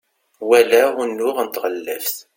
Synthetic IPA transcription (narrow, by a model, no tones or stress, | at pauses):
wælæʊnːʊʁnt̪ʁəlːæfθ